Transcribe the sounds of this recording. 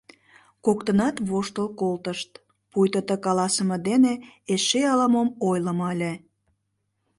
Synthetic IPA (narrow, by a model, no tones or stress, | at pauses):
kokt̪ənɑt̪βoʃt̪əlkolt̪əʃt̪ | pujt̪ət̪əkɑlɑsəməd̪eneeʃeɑləmomojləməlʲe